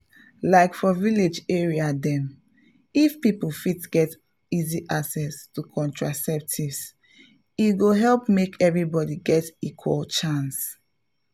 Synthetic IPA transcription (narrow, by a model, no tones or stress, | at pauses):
laɪkfɔviled͡ʒeɹiadɛ̃m | ifpipulfitɡ̥ɛt | iziʔaksɛstukʰɔ̃ntɹasɛp̚tʰivs | iɡoɦɛlpmekʰɛvɹibɔdiɡɛtikʰwɔlt͡ʃãns